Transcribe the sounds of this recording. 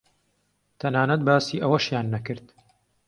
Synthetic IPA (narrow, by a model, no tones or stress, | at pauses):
t̪ʰɐnaːnɐt̪̚baːsiːʔɐwɐʃjaːnːɐkɨɾd̪